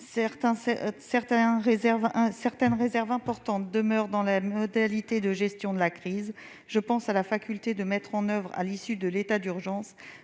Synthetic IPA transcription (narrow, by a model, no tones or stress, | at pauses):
sɛʁt̪ɛ̃sɛsɛʁt̪ɛ̃ʁezɛʁvɛ̃sɛʁt̪ɛnʁezɛʁvɛ̃pɔʁt̪ɑ̃t̪̚d̪əmœʁd̪ɑ̃lamɔd̪alit̪ed̪əʒɛst̪jɔ̃d̪əlakχiz | ʒəpɑ̃salafakʲylt̪ed̪əmɛt̪χɑ̃nœvʁa̰lisyd̪əlet̪ad̪yʁʒɑ̃s